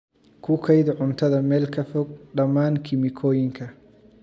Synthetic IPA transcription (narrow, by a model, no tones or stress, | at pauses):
kʰʊkʰɐjd̪ʕʊnt̪ʰɐðɐmɛːlkʰɐfɔɡ̚ɖɐmːaːnkʰɪmɪkʰɔːjɪŋkʰɐ